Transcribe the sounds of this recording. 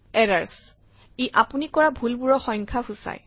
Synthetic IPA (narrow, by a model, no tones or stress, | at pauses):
ɛɹaɹs | iʔapunikɔɹabʱulbuɹɔxɔj̃ŋkʰahusa̰j